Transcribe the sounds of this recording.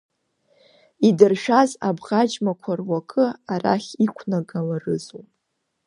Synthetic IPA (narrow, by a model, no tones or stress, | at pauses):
idɨrʃᶣaza̰bʁad͡ʒmakʷʰarwakʰʼɨaɾa̰χʲikʷʰnaɡalarɨzumʼ